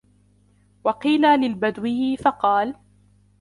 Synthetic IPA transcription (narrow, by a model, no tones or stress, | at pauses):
wɑqiːlaːlɪlbad̪wɪhɪfɑqɑːl